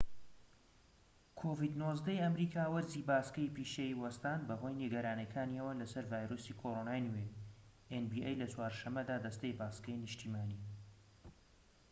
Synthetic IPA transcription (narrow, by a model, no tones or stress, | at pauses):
kʰoːvid̪nozd̪ɐjɐmɾiːkʰaːwɐɾzibaːskɐjpiːʃeiwɐst̪aːnbɐɦojniɡɐɾaːnɐkʰaːniɐwɐlɐsɐɾvaːjɾoːsiːkʰoɾonaːjnɨwej | ʔenbiʔejlɐt͡swaːɾʃɐmːɐd̪aːd̪ɐst̪ejbaːskɐjnɨʃt̪iːmaːni